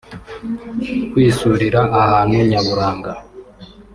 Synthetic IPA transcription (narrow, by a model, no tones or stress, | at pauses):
kwiːsuɾiɾaʔːhaːnuɲaβuɾaːŋɡa